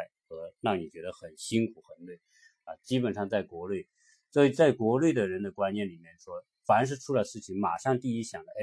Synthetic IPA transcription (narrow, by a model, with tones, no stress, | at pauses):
ɪxɤ˧˥nɑ˥˩ŋni˨˩t͡ɕɥɛ˧˥d̪ə˧xə˨˩nɕi˥ŋkʰu˨˩xə˧˥nlwe˥˩ɪ | ɐ˧t͡ɕi˥pə˨˩nʂɑ˥˧ŋt͡sa˥˩ɪkwɔ˧˥lwe˥˩ɪ | swɔ˧˥i˨˧˩t͡sa˥˩ɪkwɔ˧˥lwe˥˩ɪd̪ə˩ɻə˧˥nd̪ə˨kwa˥nnjɛ˥˩nli˨˩mjɛ˥˩nʂwɔ˥ | fa˧˥nʂ̬ɻ̩˥˧ʈ͡ʂʰu˥la˧˥ɪʂɻ̩˥˩t͡ɕʰi˧˥ŋma̰˨˩ʂɑ˥˧ŋt̪i˥˩i˥ɕjɑ˨˩ŋd̪ə˦e˥˩